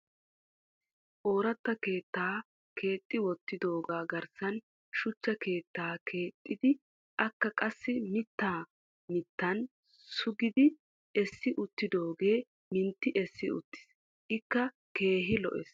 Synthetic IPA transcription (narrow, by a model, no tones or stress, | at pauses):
ʔo̞ːɾɐt̪ːɐke̞ːt̪ːaː | kʰe̞ːt̪ʼːɪwɔt̪ːɪd̪o̞ːɡaːɡɐɾsɐn | ʃʊt͡ʃːɐke̞ːt̪ːaːkʰe̞ːt̪ʼːɪd̪ɪ | ʔɐkːɐkʼɐsːɪmɪt̪ːaː | mɪt̪ːɐn | sʊɡɪd̪ɪ | ɛsːɪʔʊt̪ːɪd̪o̞ːɡe̞ː | mɪnt̪ːɪʔɛsːɪʊ̰t̪ːɪ̥s | ʔɪkːɐ | ke̞ːɦɪlɔ̰ʔɛ̰s